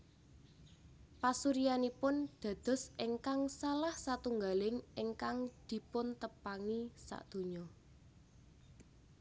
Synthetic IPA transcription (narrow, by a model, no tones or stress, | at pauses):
pasuɾijanipʊnɖ̪̥a̤d̪̥ɔ̤sʔeŋkaŋsalahsat̪uŋɡalɪŋʔɪŋkaŋd̪̥i̤pʊnt̪əpaŋisa̰ʔd̪̥o̤ɲɔ